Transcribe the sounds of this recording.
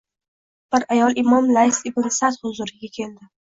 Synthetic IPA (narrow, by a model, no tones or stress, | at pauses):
b̥ɪɾajɒlˠʔɪmɒmlajsɪbɪnsat̪hʊzʊɾɪɡʲakʲʰeld̪ɪ